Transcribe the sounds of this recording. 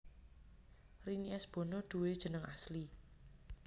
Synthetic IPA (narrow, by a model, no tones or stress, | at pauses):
riniʔɛsb̥o̤noɖ̪̥ṳwed̥ʒ̥ə̤nəŋasli